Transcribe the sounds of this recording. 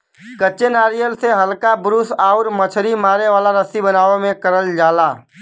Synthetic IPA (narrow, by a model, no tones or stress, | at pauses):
kəːt͡ʃʃenaːɾijəlseɦɐlkabɾusaːʊɾmət͡ʃʰɾimaːɾeʋaːlaɾəsibənaːomẽkəɾəld͡ʒaːlaː